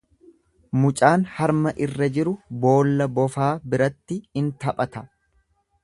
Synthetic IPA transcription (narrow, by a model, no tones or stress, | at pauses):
mʊt͡ʃʼaːnhɐɾmɐʔɪrːɐd͡ʒɪɾʊbo̞ːlːɐbɔfaːbɪɾɐt̪ːɪɪnt̪ɐpʼɐt̪ɐ